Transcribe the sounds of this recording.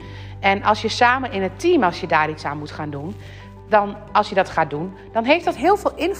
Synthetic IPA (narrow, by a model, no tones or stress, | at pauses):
ɛnɑlˠsjəsaːmənɪnətʰiːmɑlˠsjədaːritsaːnmutχaːndun | dɔn | ɑlˠsjədɔtχaːdun | d̥ɔnɦejftdɔtɦɪəlˠvɪːlˠɪnf